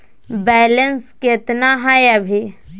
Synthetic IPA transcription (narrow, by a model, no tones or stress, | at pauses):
bɛːlənsket̪naɦajəbʱi